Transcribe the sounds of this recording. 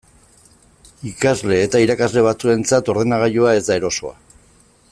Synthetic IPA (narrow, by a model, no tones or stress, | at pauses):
ikazle̞ːt̪aiɾakazle̞β̞at͡sue̞nt͡sat̪o̞ɾð̞enaɣ̞aʎoae̞zd̪ae̞ɾo̞so̞̰a̰